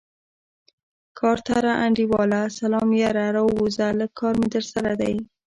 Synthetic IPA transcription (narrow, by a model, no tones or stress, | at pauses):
kʰɑɾt̪aɾaʔaɳɖiwɑlasalɑmjaɾaɾawuzaləkʰːɑɾmet̪əɾsaɾad̪aj